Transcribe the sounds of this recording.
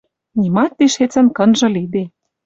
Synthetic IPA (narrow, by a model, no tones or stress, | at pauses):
nʲimɑt̪ːiʃet͡sə̆nkɤ̆nʒɤ̆lid̪e